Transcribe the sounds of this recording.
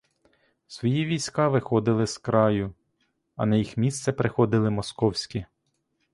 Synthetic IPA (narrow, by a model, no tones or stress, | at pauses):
sʋɔjiʋʲijsʲkɑʋɪxɔd̪ɪlˠɪskɾɑjʊ | ɐ̰nɐjixmʲist̪sɛpɾɪxɔd̪ɪlˠɪmɔskɔwsʲkʲi